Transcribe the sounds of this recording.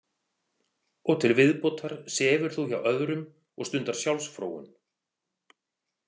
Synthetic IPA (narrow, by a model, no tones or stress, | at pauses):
ɔɣt̪ʰɪlvɪðpowt̪ʰaɾ̥sɛːvʏɾ̥θuça̰wʔœðɾʏm | ɔ̰ɣst̪ʏnt̪aɾ̥sjawlsfɾo̰ːwʏ̰n